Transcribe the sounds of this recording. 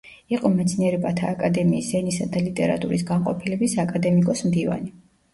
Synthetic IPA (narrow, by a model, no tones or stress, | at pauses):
iqʼɔmɛt̪sʰniɛɾɛbat̪ʰaːkʼad̪ɛmiːsɛnisad̪alit̪ʼɛɾa̰t̪ʼuɾis̬ɡanqʼɔpʰilɛbisakʼad̪ɛmikʼɔsmd̪iva̰ni